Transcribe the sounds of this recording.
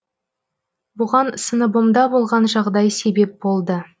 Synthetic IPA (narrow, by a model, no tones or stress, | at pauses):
bʊʁɑnsənəbomd̪ɑbo̞lˠʁɑnʒɑʁd̪ɑjse̞be̞p̚bo̞lˠd̪ə